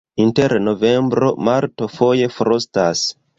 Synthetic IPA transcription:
inte̞ɾno̞ve̞mbɾo̞̰maɾto̞fo̞je̞fɾostas

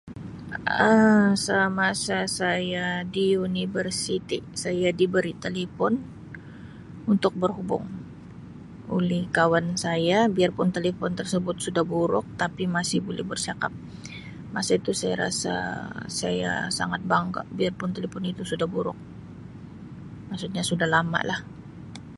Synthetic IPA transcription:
əsamasasajadiunivərsit̪isajadibəɾit̪elefɔn | unt̪ʊk̚bərɦubʊ̰ŋ | ulɛhkawansajabiarpʊnt̪elefɔnt̪ərsəbʊt̪̚sudahbuɾʊk̚t̪apimasɪhbolɛ̰hbərsaka̰p̚ | masait̪usajaɾasa̰saja̰sa̰ŋat̪̚baŋka̰ʔbiarpʊnt̪elefɔnit̪usudahbuɾʊ̰k̚ | maksut̪̚ɲasudahlama̰lah

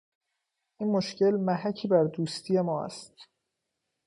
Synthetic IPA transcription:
ʔiːnmoʃce̞lmæɦæcʰiːbæɾd̪uːst̪ʰije̞mɒːæ̰st̪

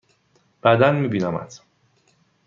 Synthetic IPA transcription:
b̥æd̪ænmiːbinɒmæ̰d̪̥

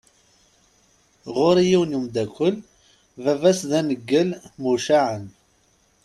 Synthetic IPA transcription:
ʁʊɾijiwnumd̪ækʷːəl | vævæsðænəɡːəlmuʃaʕən

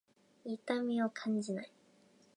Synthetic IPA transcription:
it̪amʲiokʰãɲ̟d͡ʑinai

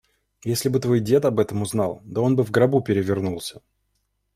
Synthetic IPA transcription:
jesʲlʲɪbɨt̪vo̞jdʲe̞t̪ɐbɛt̪əmʊznɑlˠt̪oo̞nbɨvɡɾɐbupʲɪɾʲɪvʲɪrnulˠsʲə̥

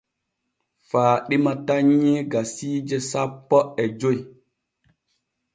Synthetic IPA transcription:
faːɗimataɲːeɡasiːd͡ʒɛsapːɔʔɛd͡ʒoj

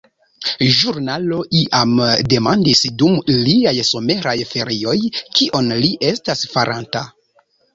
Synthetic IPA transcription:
ʒuɾnalo̞ʔiʔamde̞mandisdumliajso̞me̞ɾajfe̞ɾio̞jkʰiʔo̞nliʔe̞stasfaɾʔanta

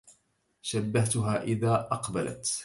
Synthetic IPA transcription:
ʃabːaht̪ʊɦaːʔɪðaːʔɑqbala̰t̪

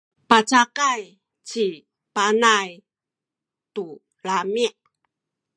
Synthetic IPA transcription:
pat͡ɕakaj | t͡ɕi | panaj | tu | lamiʔ

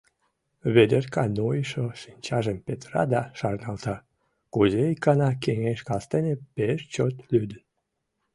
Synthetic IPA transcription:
βed̪erkɑnojʃoʃinʲt͡ɕɑʒəmpet̪rɑ̰d̪ɑʃɑrnɑlt̪ɑ | kuzeikɑnɑkeŋeʃkɑst̪enepeʃt͡ɕot̪lyd̪ən

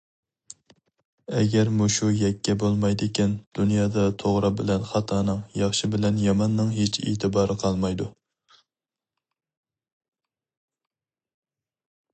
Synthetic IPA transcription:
ɛ̰ɡʲɛɾmuʃujɛkʲʰːɛbolˠmɑjd̪ɪkʲʰind̪̥unjɑːd̪ɑt̪ʰoʁɾɑbɪlɛnχɑt̪ʰɑːnɨŋjɑχʃɪbɪlɛnjɑmɑnːɨŋɦet͡ʃʰḛːt̪ʰɨbɑːɾɨqʰɑlˠmɑjd̪u

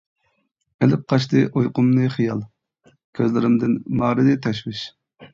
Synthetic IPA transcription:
elɪp̚qʰɑʃ̬t̪ɨʔojqʊmnɨχijɑlˠ | kʲʰøzlɪɾɪmd̪ɪnmɑːɾɨd̪ɨt̪ʰɛʃwɪʃ

